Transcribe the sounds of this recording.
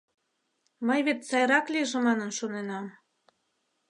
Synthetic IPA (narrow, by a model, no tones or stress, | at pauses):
mɤjβet̪sɑjɾɑkliʒĕmɑnənʃonenɑm